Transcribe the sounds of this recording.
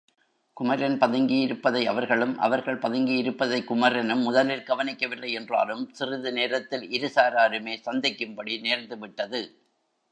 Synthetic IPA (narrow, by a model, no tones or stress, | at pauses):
kʊmɐɾɐnpɐðɐŋɡijɪɾɯpːɐðɐɪɐʋɐɾɣɐɭɯmʔɐ̰ʋɐɾɣɐɭpɐðɐŋɡijɪɾɯpːɐðɐɪkːʊmɐɾɐnɯmːʊðɐlɪlɡɐʋɐnɪkːɐʋɪlːɐɪɛndra̰ːlɯmsɪrɪðɯneːɾɐt̪ːɪlɪɾɯsaːɾaːɾɯmeːsɐnd̪ɪkːɯmpɐɽineːɾnd̪ɯʋɪʈːɐðɯ